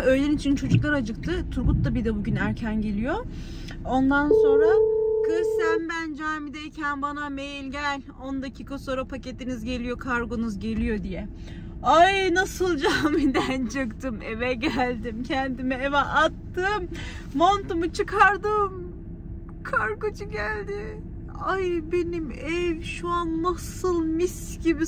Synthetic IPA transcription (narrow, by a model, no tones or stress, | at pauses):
ø̞jlʲeinit͡ʃʰint͡ʃʰo̞d͡ʒuklˠaɾad͡ʒɯk̚t̪ʰɯt̪ʰuɾɡut̪̚d̪abid̪ɛbuɟynæɾcʰænɟe̞lʲijo̞ | ond̪anso̞nɾakʰɯsæmbænd͡ʒaːmid̪ejcʰænbanamejilʲɟeælʲ | ond̪acʰiːkʰaso̞ːɾapʰace̞t̪inizɟe̞lʲijo̞kʰaɾɡo̞nuzɟe̞lʲijo̞d̪ijɛ | ajnasɯlˠd͡ʒaːmid̪ænt͡ʃʰɯkt̪ɯmḛvɛɟælʲd̪imcʰɛnd̪imɛevɛʔat̪ːɯmː | ont̪umut͡ʃʰɯkʰaɾd̪ɯm | kʰaɾɡot͡ʃʰuɟælʲd̪ɪ | ajbe̞nimɛvʃuanːasɯlˠmis | ɟibi